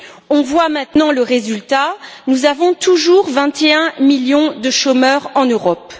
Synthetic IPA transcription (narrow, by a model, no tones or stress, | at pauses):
ɔ̃vwamɛ̃t̪nɑ̃ləʁezylt̪anuzavɔ̃t̪uʒuʁvɛ̃t̪eɛ̃miljɔ̃d̪əʃomœʁɑ̃nøʁɔp